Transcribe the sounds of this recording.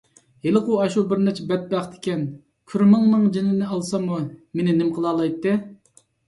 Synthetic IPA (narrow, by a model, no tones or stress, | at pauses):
helˠɨquɑʃubɪɾnɛt͡ʃʰɛbɛt̪̚bæχd̪ɪ̥kʲɛn | kʲʰyɾmɨŋnɨŋd͡ʒinɪnɪɑlˠsɑmumenɪnɪmqʰəlˠɑːlˠɑjt̪ːɨ